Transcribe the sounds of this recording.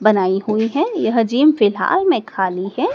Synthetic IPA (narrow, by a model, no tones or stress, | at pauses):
bɐnaːiɦʊiɦɛ̃jɐɦd͡ʒiːmfɪlɦa̰ːlmẽkʰaːliɦɛː